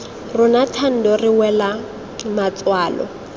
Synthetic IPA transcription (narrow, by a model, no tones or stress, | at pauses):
rʊnatʰan̩dɔrɪwɛla | mat͡sʼwaːlɔ̰